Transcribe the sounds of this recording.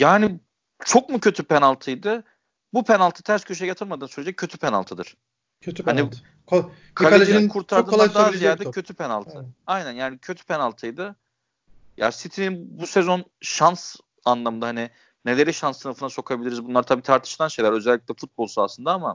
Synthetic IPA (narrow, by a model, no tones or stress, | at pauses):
jaɦni | t͡ʃʰo̞k̚mucʰøt̪ʰypenalˠt̪ʰɯjd̪ɯ | bupʰenalˠt̪ʰɯt̪ʰæɾscʰøʃ̬jjat̪ʰɯɾmad̪ɯːsyɾʲled͡ʒɛcʰø̞t̪ʰypʰena̰lˠt̪ʰɯd̪ɯɾ̥ʰ | øhani | kʰaleed͡ʒinnkʰuɾt̪ʰaɾɾd̪ɯːd̪ijæɾɛcʰø̞t̪ʰypʰenalˠt̪ʰɯajnænjaːnicʰøt̪ʰy̥pʰenalˠt̪ʰɯjd̪ɯ | ja̰ːsit̪ʰininbuse̞zo̞nʃans | anlˠamɯnd̪aɦani | ne̞lʲe̞ɾiʃansːɯnɯfɯnaso̞kʰabilʲiɾizbunlˠaɾt̪ʰabiːt̪ʰaɾt̪ʰɯ̥ʃlˠanʃe̞jlʲæɾø̞zɛlʲːic̚ʲlʲɛfut̪̚bolˠsua̰sɯnd̪aama